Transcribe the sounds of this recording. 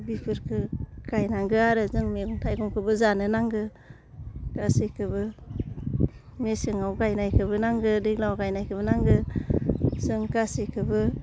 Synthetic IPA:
bipʰɯɾkʰɯɡ̥ajnaŋɡɯaɾɯzɯŋmeɡuŋtʰajɡuŋkʰɯbɯzanɯnaŋɡɯ | ɡ̥asikʰɯbɯ | mesɯŋawɡajnajkʰɯbɯnaŋɡɯdɯklawɡajnajkʰɯbɯnaŋɡɯ | z̥ɯŋɡasekʰɯbɯ

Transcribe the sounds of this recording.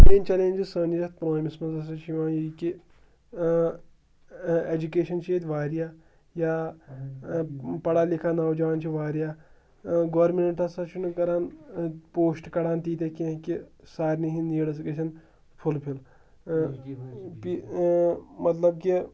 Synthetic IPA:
meːnt͡ʃɐlẽːnʲd͡ʒisəːnd͡ʒjɐt̪̚pɾoːmismɐnzɐsɐt͡ʃʰʋãːjiki | ed͡ʒukeːʃɐnt͡ʃʰeːt̪ʲʋaːɾijaː | jaː | pɐɽaːlikʰaːnaːwd͡ʒaːnt͡ʃʰiʋaːɾijaː | ɡoːɾmineɳʈɐsɐt͡ʃʰunɨkɐɾaːnpoːsʈkɐɽaːnt̪iːt̪ekiɐ̃kisaːɾʲniɦiniːɽɐs̬keʃɐn | pʰulpʰil | pi | mɐt̪lɐb̚ki

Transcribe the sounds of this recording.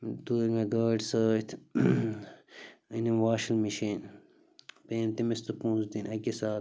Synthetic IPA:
t̪uiŋɡɐɡaːɖsəːt̪ʰ | inimʋaːʃɐlmiʃiːn | peːmt̪imist̪upũːzd̪inɐkisaːt̪

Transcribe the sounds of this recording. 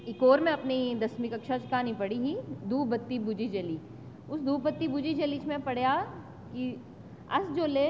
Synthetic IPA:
ɪkoːɾmẽɐpnid̪ɐsmɪkɐkʃat͡ʃkanĩpɐɽiɦid̪uːbɐt̪ːibuːd͡ʒid͡ʒɐlit͡ʃ | ʊsd̪uːbɐt̪ːibuːd͡ʒid͡ʒɐliːt͡ʃmẽpɐɽ̤ja | ki | ɐ̰sd͡ʒoːleː

